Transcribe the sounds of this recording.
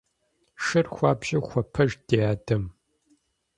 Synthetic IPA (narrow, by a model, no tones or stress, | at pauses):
ʃɨrxʷɑːbʒɐxʷɔpʰɐʒd̥eaːdɐm